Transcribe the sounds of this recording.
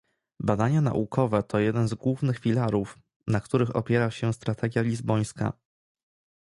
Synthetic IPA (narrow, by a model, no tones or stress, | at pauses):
bad̪aɲana̰ʔukʰɔvɛt̪ʰɔjɛd̪ɛnzɡwuvnɘxfʲilaɾuf | nakt̪uɾɘxɔ̰pʲjɛɾaɕɛst̪ɾat̪ʰɛɡʲjalʲizbɔj̃ska̰